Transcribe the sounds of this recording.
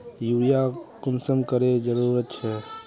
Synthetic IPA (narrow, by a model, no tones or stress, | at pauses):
juːɾijakʊmsəmkəɾed͡ʒəɾuːɾət̪̚t͡ʃʰɛ